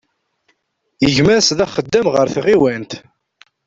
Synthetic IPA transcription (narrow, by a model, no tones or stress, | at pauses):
əʝmæɾsðæχəd̪ːæmʁəɾθʁiwænt̪